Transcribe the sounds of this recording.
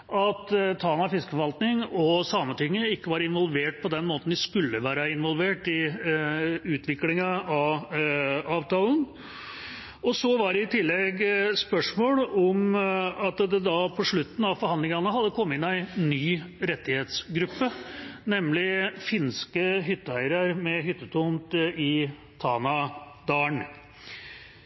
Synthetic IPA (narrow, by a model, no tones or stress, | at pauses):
ʔɑt̪t̪ʰɑːlnɑfɪskə̥fɔʋɑlt̪nɪŋɔsɑːmənt̪ʰʏŋːəɪkːəʋɑːɾɪnʋɔlˠʋeːʈ̚pʰɔd̪ɛnmoːt̪n̩d̪ɪskʉlːəʋæːɾɑɪnʋɔlʋeːʈɪ | ʉːt̪ʰʋɪklɪŋɑɑʋ | ɑːʋt̪ʰɑːln̩ | ɔsɔʋɑɖɛɪt̪ʰɪlːɛɡspœʂmoːlɔmɑt̪d̪ɛd̪ɑpʰɔʂɭʉt̪ːn̩ɑʋfɔɾhɑnd̪lɪŋɑnəɦɑd̪ːəkʰɔmːəɪnæɪnːyːɾɛt̪ːɪheːt̪sɡɾʉpːənɛmlɪfɪnskəɦʏt̪ːəæɪɾɑɾmɛɦʏt̪ːət̪ʰɔnt̪ɪ | t̪ʰɑːnɑd̪ɑːɳ